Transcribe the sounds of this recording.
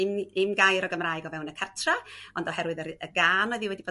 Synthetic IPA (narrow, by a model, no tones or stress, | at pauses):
ɪmɪmɡajɾɔɡəmraːɨɡɔvɛwnəkʰartʰraɔndɔhɛrwɨðərəɡaːnɔðɨwɛdib̥o